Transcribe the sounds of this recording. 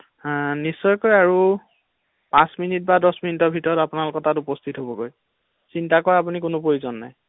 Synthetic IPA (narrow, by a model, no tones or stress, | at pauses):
nisːɔjkojaɹu | pãsminit̚badɔsminitɔbʱitɔɹɔtapunalʊkɔtatupɔstʰitɦobɔɡoj | sintakɔɹapunikʊnʊpoɹizɔnːa̰j